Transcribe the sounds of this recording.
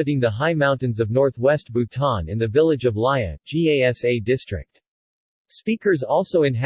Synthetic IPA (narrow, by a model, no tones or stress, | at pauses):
ɨɾɪ̃ŋðəɦaɪmãʊ̃ntɨ̃nzʌvnɔɹθwɛst̚b̥ʉtʰɑ̃nɨ̰̃nðɨvɪlˠɨd͡ʒʌvlaɪɨ̰̥d͡ʒieɪɛseɪdɪstɹ̥ɨ̰k̚t̚ | spikə˞zɔlˠsoʊɨ̃nɦæ